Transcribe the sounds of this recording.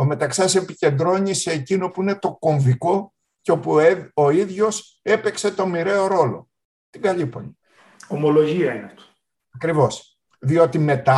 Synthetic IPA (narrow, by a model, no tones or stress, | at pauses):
ome̞t̪ɐksɐse̞pice̞nd̪ɾo̞ɲise̞ːcino̞puine̞t̪o̞ko̞ɱviko̞ | ceo̞puoiðʝo̞s | e̞pe̞kse̞t̪o̞miɾe̞o̞ɾo̞lo̞̰ | t̪iɡɐʎipo̞̰ɲi | omolo̞ʝiɐineɐft̪o̥ | ɐkɾivo̞s | ðio̞t̪ime̞t̪ɐ